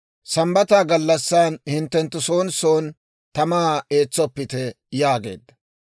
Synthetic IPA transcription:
sɐmbɐt̪aːɡɐlːɐsːaːnhɪnt̪ːɛnt̪ːʊso̞ːnso̞ːn | t̪ɐmaːeːt͡sːɔpːɪt̪ɛ | jaːɡe̞̰ːd̪ːɐ̥

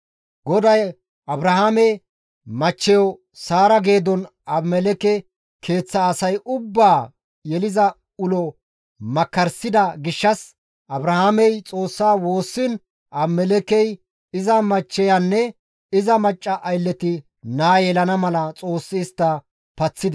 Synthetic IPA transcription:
ɡɔd̪ɐj | ɐbɾɐhamɛ | mɐt͡ʃːɛjɔ | saːɾɐɡe̞ːd̪ɔn | ɐbmɛlɛkɛ | kʰe̞ːt͡sːɐːsɐjʔʊbːaː | jɛlɪzɐ | ʊlɔ | mɐkːɐɾsɪd̪ɐɡɪʃːɐs | ʔɐbɾɐhamɛjt͡sʼo̞ːsːaːwo̞ːsːɪn | ʔɐbmɛlɛkɛj | ɪzɐmɐt͡ʃːɛjanːɛ | ɪzɐmɐt͡ʃʼːɐʔɐjlːɛt̪ɪ | naːjɛlɐnɐmɐlɐt͡sʼo̞ːsːɪːst̪ːɐ | pɐt͡sːɪd̪

